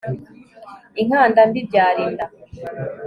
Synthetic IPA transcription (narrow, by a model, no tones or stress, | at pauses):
iŋ̥aːndambibɟaːɾiːnda